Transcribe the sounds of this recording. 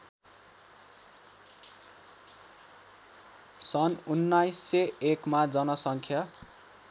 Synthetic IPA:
sʌnunːajsːeekmad͡zʌnʌsʌŋkʰja

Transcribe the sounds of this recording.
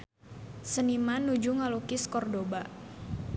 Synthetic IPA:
sənimanːud͡ʒuŋalukɪskɔrdoba

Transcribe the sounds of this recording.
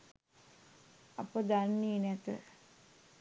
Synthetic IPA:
ɐpəd̪anːiːnæt̪ə̰

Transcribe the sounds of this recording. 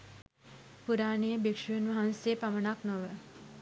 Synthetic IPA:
puɾaːnejəbekʂujunʋaɦanseːpamənaknoʋə

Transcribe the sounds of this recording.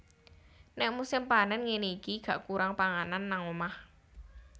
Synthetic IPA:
nɛʔ̚musɪmpanənŋeniikiɡ̥a̤ʔkuɾaŋpaŋananːaŋomah

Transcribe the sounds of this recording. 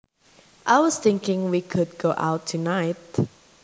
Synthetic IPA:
ʔaɪwɔsθɪ̃ŋkɪ̃ŋwikʰʊd̚ɡoʔa̰ʊtʰːunaɪt̚

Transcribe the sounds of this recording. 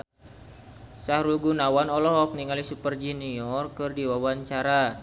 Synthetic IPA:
sahɾuɡunawanɔlɔɦɔk̚niŋalisupərd͡ʒuniɔrkɨrdiwawaɲt͡ʃaɾa

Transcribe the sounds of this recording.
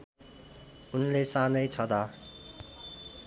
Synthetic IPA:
unles͈anɯt͡ɕʌda

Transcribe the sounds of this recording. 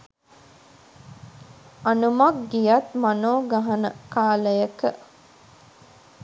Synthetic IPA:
anumak̚ɡijat̪manoːɡaɦɐnəkaːləjəkə

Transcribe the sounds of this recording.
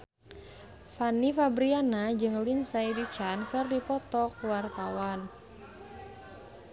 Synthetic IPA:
fanifabɾianad͡ʒɨŋlinsaidut͡ʃankɨrdipɔt̪ɔk̚wart̪awan

